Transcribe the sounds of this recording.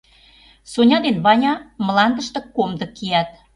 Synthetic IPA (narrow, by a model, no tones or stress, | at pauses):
sonʲɑd̪enβɑnʲɑməlɑnd̪əʃt̪ɤ̆komd̪ə̆kːijæt̪̚